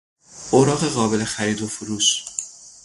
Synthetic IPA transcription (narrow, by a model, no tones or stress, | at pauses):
ʔoɾɒːɣe̞ɣɒːbe̞le̞xæɾiːd̪ofuɾuːʃ